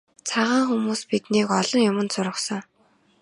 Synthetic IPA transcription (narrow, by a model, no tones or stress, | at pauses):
t͡sʰaʁaːŋxumuːspit̪niːkɔɮɞ̆ŋjʊmə̆nt͡sʊɾʁə̆χsɞ̆ŋ